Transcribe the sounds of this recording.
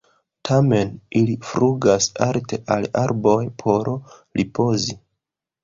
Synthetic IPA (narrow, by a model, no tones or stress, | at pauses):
tʰame̞nilifɾuɡasalte̞ʔalaɾbo̞jpʰo̞ɾo | ɾipo̞zi